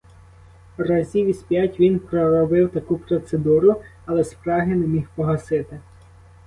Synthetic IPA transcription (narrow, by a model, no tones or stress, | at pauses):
rɐzʲiʋʲisʲpʲjatʲʋʲinpɾɔɾɔbɪwt̪ɐkupɾɔt̪sed̪uɾʊ | ɐlˠɛspɾɑɦɪnɛmʲixpɔɦɐsɪt̪ɪ